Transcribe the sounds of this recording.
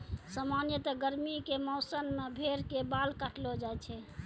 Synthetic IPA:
samanjət̪əɡəɾmikemɔsənmebʱeɾkebalkaʈʰlod͡ʒaet͡ʃʰɛ

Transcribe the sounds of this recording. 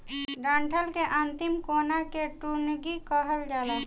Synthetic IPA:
ɖãɳʈʰəlkeʔənt̪imkonakeʈunɡikəɦəld͡ʒaːlə

